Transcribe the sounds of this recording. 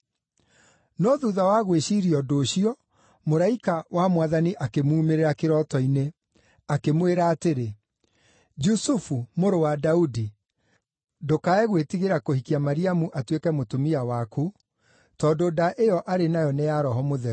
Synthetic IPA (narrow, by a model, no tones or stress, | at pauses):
nɔðuðawaɣweɕiːɾiɔdoːɕiɔ | moɾaikawamwaðaniʔakemuːmeɾeɾakeɾɔtɔine | akemweɾaːteɾe | d͡ʒusufumoɾowadaudi | dokaɛɣwetiɣeɾakohikiamaɾiamuʔatwekɛmotomiawaku | tɔːndodaʔejɔʔaɾenajɔnejaɾɔɦɔmoðɛ